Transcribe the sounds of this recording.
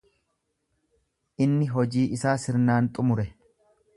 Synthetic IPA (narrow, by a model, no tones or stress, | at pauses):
ʔɪnːɪɦɔd͡ʒiːʔɪsaːsɪɾnaːnt̪ʼʊmʊɾɛ